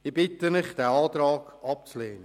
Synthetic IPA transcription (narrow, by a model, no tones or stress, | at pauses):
ibɪtəmɪχd̥̪ɛɑːt̪ɾɑːɡ̥ɑp̚t͡sleːnə